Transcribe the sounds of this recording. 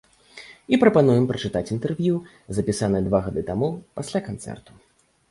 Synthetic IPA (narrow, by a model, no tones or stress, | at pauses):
ipɾɐpanujɛmpɾɐt͡ʂɨt̪at͡sʲint̪ɛrvʲju | zɐpʲisanɨd̪vaɣad̪ɨt̪amupasʲlʲakant̪sɛ̰rt̪u̥